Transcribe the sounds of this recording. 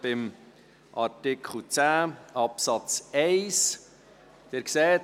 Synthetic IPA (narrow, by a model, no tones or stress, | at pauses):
b̥ɪm | ʔɑɾtɪkʰχl̩t͡sæːɑpsɑt͡sɛɪs | d̪̥eɾksɛːt